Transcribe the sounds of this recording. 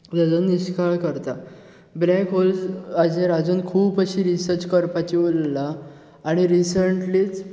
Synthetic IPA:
ɾad͡zənːiɕkaɭkəɾt̪a | blɛkɦold͡zad͡ʑeɾad͡zunkʰuːpəɕiɾisəɾt͡ɕkəɾpat͡ɕiolːaː | ɽ̃iɾisəɳʈliːt͡s

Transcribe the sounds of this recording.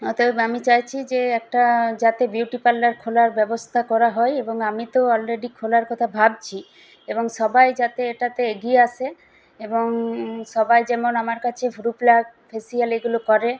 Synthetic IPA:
ɔt̪oamit͡ɕajt͡ɕʰid͡ʑeɛk̚ʈad͡ʑat̪ebjuʈipalːaɾkʰolaɾbɛbost̪ʰakɔɾaɦɔeeboŋamit̪oɔlɾeɖikʰolaɾkɔt̪ʰabʱab̚t͡ɕʰi | eboŋʃɔbajd͡ʑat̪eeʈat̪eeɡiease | eboŋʃɔbajd͡ʑɛmonamaɾkat͡ɕʰefuɾuplaɡ | fʰesialeɡulokɔɾe

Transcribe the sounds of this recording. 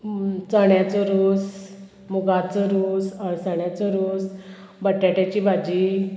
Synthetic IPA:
t͡səɳjat͡sɔɾuːs | muɡat͡sɔɾusəɭsəɽjat͡sɔɾuːs | bəʈːaʈat͡ɕibʱad͡ʑi

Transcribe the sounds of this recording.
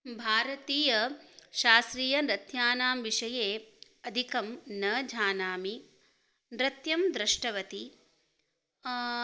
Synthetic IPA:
bʱaːɾɐt̪iːjɐʃaːst̪ɾiːjɐnɾɐt̪jaːnaːmʋiʂɐjeː | ɐd̪ʱikɐmnɐːd͡ʒʱaːnaːmi | nɾɐt̪jɐmd̪ɾɪʂʈɐʋɐt̪i

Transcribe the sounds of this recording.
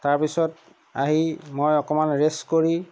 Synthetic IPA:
taɹpisɔt | aɦimojɔkɔmanɹeskoɹi

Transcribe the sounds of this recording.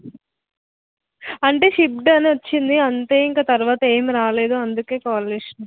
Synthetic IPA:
ɐɳʈe̞ːʃip̚ɖɐniʋɐt͡ʃːind̪iɐnt̪eːiŋkaːt̪ɐɾuʋaːt̪ɐe̞ːmiɾaːle̞ːd̪uɐnd̪uke̞ːkaːɾleːʂɐn

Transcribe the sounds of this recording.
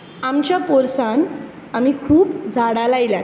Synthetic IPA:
amt͡ɕjapɔɾsan | amikʰuːpd͡zʱaɽalajila

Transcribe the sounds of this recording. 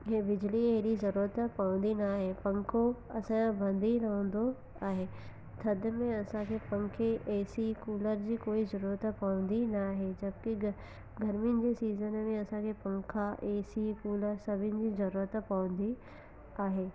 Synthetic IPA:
ɦebɪd͡ʑlieɦɪɽizɐɾuːɾət̪pɐʋə̃nd̪inaːɦepɐ̃ŋkʰoɐsãbɐ̃nd̪ʱiɾɐɦə̃n̆d̪o | aːɦeː | t̪ʰɐd̪mẽɐsãkʰepɐ̃ŋkʰeʔɛːsikuːləɾd͡ʑiːkoːizɐɾuːɾət̪pɐʋə̃nd̪inɐɦed͡ʑɐb̚ki | ɡɐɾmɪnɪ̆d͡ʑesiːzənmẽɐsãkʰepɐ̃ŋkʰaʔeːsikuːləɾsɐbʱɪnɪ̆d͡ʑiːzɐɾuːɾət̪pɐʋə̃n̆d̪i | aːɦeː

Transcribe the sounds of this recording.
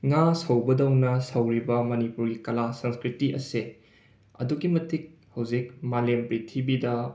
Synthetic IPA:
ŋasɐwbɐdɐwnɐsɐwɾibɐmɐnipuɾɡikɐlasɐŋskɾitiʔɐ̰se | ɐ̰duɡimɐtik̚ | hɐwzik̚malempɾitʰibidɐ

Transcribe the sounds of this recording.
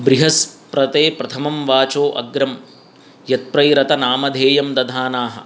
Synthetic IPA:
bɾiɦɐspɾɐt̪eːpɾɐt̪ʰɐmɐmʋaːt͡ʃoːʔɐ̰ɡɾɐm | jɐt̪̚pɾɐjɾɐt̪ɐnaːmɐd̪ʱeːjɐmd̪ɐd̪ʱaːnaːɦɐ̰̆

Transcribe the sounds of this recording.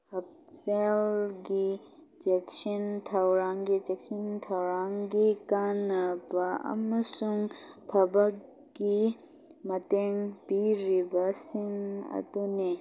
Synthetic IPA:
hɐp̚ | selɡi | d͡ʒeksɐnt̪ʰɐwɾaŋɡid͡ʒɛksint̪ʰɐwɾaŋɡikanɐpaɐ̰mɐsuŋt̪ʰɐbɐkː | i | mɐt̪eŋpiɾibasiŋɐ̰t̪une

